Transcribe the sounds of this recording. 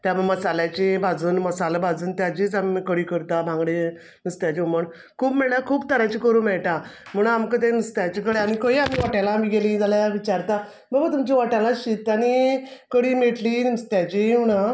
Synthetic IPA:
t̪jaməɽməsaljat͡ɕibʱad͡zuːnməsaləbʱad͡zuːnt̪jad͡ʑiːt͡samiikəɽiːkəɾt̪abʱãŋɡɽe | nəst̪jat͡ɕiuməɳ | kʰuːpmiɭlakʰuːbt̪əɾat͡ɕikəɾuːmɛɭʈãm̤əɽ̃amkət̪̬ẽnəst̪jat͡ɕikəɽaɽ̃ikəɦiamiʋaʈalaːmiːɡelĩd͡zalajaʋit͡ɕaɾt̪a | bəbət̪umt͡ɕiʋaʈalaɕit̪ani | kəɽiːmeʈliːnəst̪jat͡ɕiɦuna

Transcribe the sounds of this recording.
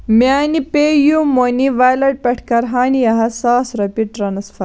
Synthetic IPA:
mʲaːnipeːjumoniʋaːjlɐɖ̚pɐʈʰkɐɾɦaːnijɐɦɐsaːsɾɐpiʈɾɐnɐsfɐ

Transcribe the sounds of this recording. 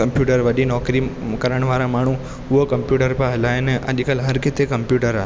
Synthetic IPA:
ɐmpjuːʈəɾʋɐɗinɔːkɾikɐɾəɽ̃ʋaːɾamaːɳ̤ũ | ʊɦokɐmpjuːʈəɾpãɦlaːɪnʔɐ̰ʄkəlɦɐɾkɪt̪ekɐmpjuːʈəɾa

